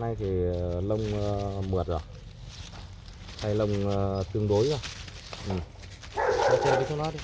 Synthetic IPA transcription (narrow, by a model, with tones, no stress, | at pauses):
na˧jt̪ʰi˨˩lə˧wŋ͡mmɨ˨˩ət̚zo˨˩j | t̪ʰa˧jlə˧wŋ͡mt̪ɨ˧əŋɗo˨˦jzo˧˩ | ʔɨ˨˩m | ɔ˨˧˦t͡ɕə˧tʰi˨˦kʰo˧˦nɔ˨˦jɗi˧˦